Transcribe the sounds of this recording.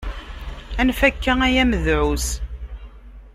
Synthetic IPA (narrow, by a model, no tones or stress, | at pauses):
ænfækːææjæməðʕus